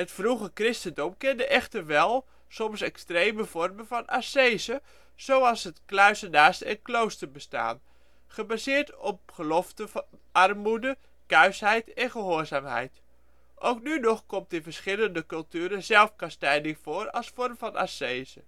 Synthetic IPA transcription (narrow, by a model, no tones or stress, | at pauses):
ɦətfruχəkrɪstəndɔmkɪndəʔɛχtərʋɛlˠ | sɔmsɛkstrejməv̥ɔrməvɑnʔasejzə | z̥owɑlˠsɦətklœɥsənaːstɛ̰nklowstəɹbəsta̰ːn | χəbazɪːɹtɔp̚χəlɔftəʔɑrmudə | kœɥsɦɛjtɛnχəɦoːɹzaːmɦɛ̰jt | ʔowknynɔχkɔmtdəvəɹsχɪləndəkɵlˠtyːɾəzɛlˠfkɑstɛjdɪŋv̥oːɾɑ̰lˠsfɔrmvɑna̰sejzə